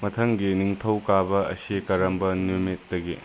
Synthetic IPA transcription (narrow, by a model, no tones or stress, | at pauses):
mɐt̪ʰɐŋɡiniŋtʰɐwkabɐɐ̰sikɐɾɐmbɐnumit̚dɐɡi